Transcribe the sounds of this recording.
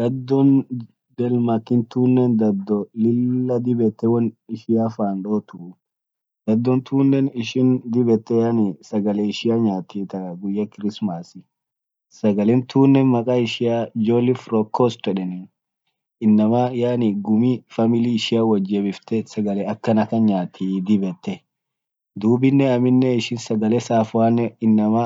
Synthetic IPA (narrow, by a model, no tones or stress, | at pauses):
d̪̥ɐd̪ːɔn | d̪ɛlmɐkːɪnt̪uːnːɛnd̪ɐd̪ːɔlɪlːɐd̪ɪbɛt̪ːɛwɐnɪʃɪjaːfaːnᶑoːt̪ʊ | d̪̥ɐd̪ːɔnt̪ʰuːnːɛnɪʃɪnd̪ɪbɛt̪ːɛjaːnisɐɡɐlɛɪʃɪjaɲaːt̪iːt̪ɐʔɐɡʊjːɐkɪɾɪsmaːsɪ | sɐɡɐlɛnt̪ʰuːnːɛnmɐkʼaɪʃɪad͡ʒolɪfɾɔkʰːɔst̪ɛᶑɛnɪ | ɪnːɐmɐjaːnɪɡʊmifɐmɪliɪʃɪjawɐd͡ʒːebɪft̪ɛsɐɡɐlɛɐkːɐnɐkɐnɲaːt̪ʰːid̪ɪbɛt̪ːɛ | d̪uːbɪnːɛɐmɪnːɛɪʃɪnsɐɡɐlɛsaːfwaːnːɛɪnːɐmɐ